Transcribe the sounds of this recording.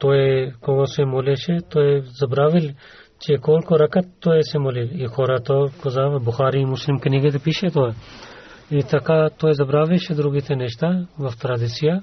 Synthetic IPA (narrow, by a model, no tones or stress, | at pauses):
t̪oːekoɡosemoːleʃet̪oːezɐbɾaːʋil | t͡ʃekoːlkoɾɐkɐt̪ːoːesemoːlilixoːɾɐt̪okozaːʋɐbʊxaːɾiːmʊslimkniɡet̪epiːʃet̪oe | it̪ɐkaːt̪oːjezɐbɾaːʋiʃed̪ɾuɡit̪ʰenɛʃt̪aʋɐft̪ɾad̪it͡sija